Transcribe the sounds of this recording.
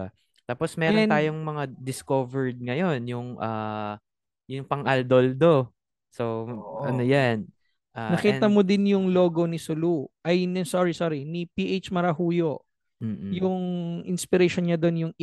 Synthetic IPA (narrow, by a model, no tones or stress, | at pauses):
a | t̪aːposmɛːɾont̪aːjoŋmɐŋad̪ɪskovɛɹd̪̚ŋɐjonjʊŋʔaː | jʊŋpɐŋʔɐld̪old̪o̞ | soʔɐ̰nojan | ʔanɐkiːɐmod̪ɪnjʊŋlo̞ːɡo̞nɪsʊluʔɐjnɐsoːɾisoɾinipiːʔet͡ʃmɐɾɐhuːjo̞ː | jʊŋʔɪnspɪɾeʃonɲad̪onjʊŋ